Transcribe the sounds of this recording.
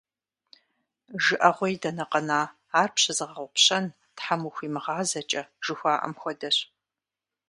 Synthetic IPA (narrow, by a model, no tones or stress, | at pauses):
ʒɨʔɐʁʷɔjdɐnɐqɐnaː | aːrpʰɕɐzɨʁɐʁʷʊpɕɐn | tħamuxʷiːmɨʁɑːzɐt͡ʃʼɐʒ̥ɨxʷaːʔɐ̰mxʷɔdɐɕ